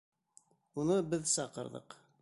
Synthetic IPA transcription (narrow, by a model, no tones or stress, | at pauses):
unubəðsɑqːə̰ɾˤðˤə̰q